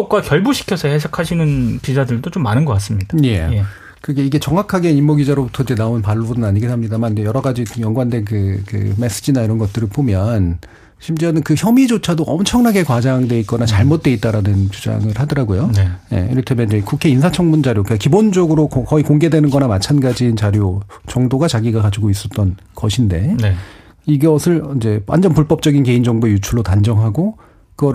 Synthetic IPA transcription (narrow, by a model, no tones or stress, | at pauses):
ʌk͈wakjʌɭbuɕʰi̥kʰjʌsʰʌhes̬ʰakʰaɕʰinɯnpid͡ʑadɯɭdot͡ɕomːanɯnɡʌk͈as͈ɯmɲid̥aje̞je | kɯɡeiɡe̞t͡ɕʌŋakʰaɡe̞imːoɡid͡ʑaɾobutʰʌid͡ʑe̞naonɯnpaɭːobudɯnaɲiɡetʰamɲidamanid͡ʑe̞jʌɾʌɡad͡ʑijʌŋɡwande̞kɯkɯ̰me̞s͈ɯd͡ʑinaiɾʌnɡʌt̚t͈ɯɾɯɭpomjʌn | ɕʰimd͡ʑanɯnkɯçjʌmid͡ʑot͡ɕʰadoʔʌmt͡ɕʰʌŋnaɡe̞kwad͡ʑaŋdwe̞it̚k͈ʌnat͡ɕaɭmot̚t͈e̞it̚t͈aɾanɯnt͡ɕud͡ʑa̰ŋɯɾhadʌɾaɡojoje̞̰iɾɯtʰemeid͡ʑekukʰe̞insʰat͡ɕʰʌŋmund͡ʑaɾjokɯkkibond͡ʑʌɡɯɾokkʌikoŋɡe̞dwe̞nɯnɡʌnamat͡ɕʰanɡad͡ʑiːnt͡ɕaɾjot͡ɕʌŋdoɡat͡ɕaɡiɡakad͡ʑiɡois͈ʌt̚t͈ʌn | kʌɕʰinde̞n | iɡʌsʰɯɭid͡ʑe̞wa̰nd͡ʑʌnpuɭp͈ʌp̚t͡ɕ͈ʌɡinke̞ind͡ʑʌŋboejut͡ɕʰuɭːotand͡ʑʌŋɦaɡo | kɯɡʌ